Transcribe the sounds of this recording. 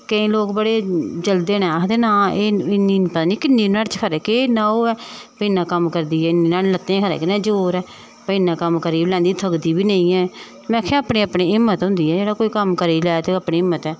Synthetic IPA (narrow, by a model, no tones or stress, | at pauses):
kəĩːloːkbəɽeːd͡ʒəld̪eːnãːd̪eːnaːeːɪnipət̪aːniːkɪnːiːnaːɽt͡ʃkʰəɾɛːkeːnaːoːɛːpəiːnãːkəmkəɾd̪iːɛːɪnːiːnaːɽlət̪ːẽːkʰəɾɛ̰ːkɪnɛ̃ːd͡ʒoːɾɛː | pəiːnãːkəmkəɾiːlɛ̃ːnd̪iːt̪ʰəkd̪iːbiːnəːĩːɛː | mɛ̃kʰẽaːpneːapneːɪmːət̪ɦʊ̃nd̪iːɛːd͡ʒeːɽaːkoːiːkəmkəɾiːlɛːt̪eaːpniːɪmːət̪ɛː